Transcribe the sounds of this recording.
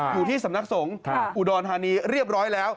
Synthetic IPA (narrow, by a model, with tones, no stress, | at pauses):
juː˨˩t̪ʰiː˥˩sa˩˦mna˦˥k̚so˩˦ŋʔu˨˩dɔː˧nt̪ʰaː˧niː˧ɾi˥˩əp̚ɾɔː˦˥jlɛː˦˥w